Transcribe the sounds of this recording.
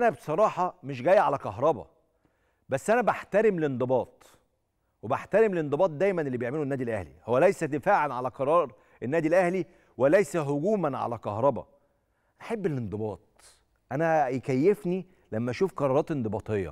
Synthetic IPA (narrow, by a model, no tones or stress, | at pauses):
ʔænæbsˤɑɾˤɑːħɑmeʃ̬ɡæːjːæʕalækɑɦɾˤɑbɑ̰ | bæsːʔænæbaħt̪æɾemlend̪ˤɨbɑːt̪̚ˤ | webaħt̪æɾemlend̪ˤɨbɑːt̪̚ˤd̪æːjmænʔelːibjeʕmelonːæːd̪ilʔæhlḭhowːælæjsæd̪efaːʕelʕalæqɑɾˤɑːɾˤ | ʔenːæːd̪ilʔæhli | welæjsæɦoɡuːmænʕa̰lækɑhɾˤɑbɑ̰ | ʔænʔaħebːelend̪ˤɨbɑːt̪̚ˤ | ʔænæjkæjːefni | læmːæʔʃuːfqɑɾˤɑːɾɑːt̪end̪ɨbɑːt̪ˤejːɑ̰